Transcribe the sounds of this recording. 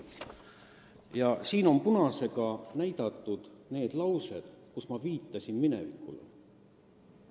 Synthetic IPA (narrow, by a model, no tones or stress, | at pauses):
jɑsiːno̞mpunɑse̞ɡ̥ɑnæjd̪̥ɑt̪ːˑud̪̥ne̞ːd̪̥lɑwse̞d̪̥kusmɑviːt̪ːˑɑsʲinminḛvḭkˑːṵlḛ